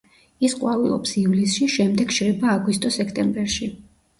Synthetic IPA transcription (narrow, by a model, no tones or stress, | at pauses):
isqʼwavilˠɔ̰psivlisʃiʃɛmd̪ɛɡʃɾɛbaːɡwist̪ʼɔsɛkʰt̪ʼɛmbɛɾʃi